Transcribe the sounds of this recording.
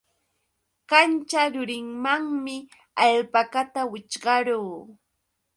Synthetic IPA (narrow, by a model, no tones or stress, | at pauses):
kant͡ʃaɾʊɾɪŋmaŋmɪ | aʎpakat̪awɪt͡ʃɢɑɾuː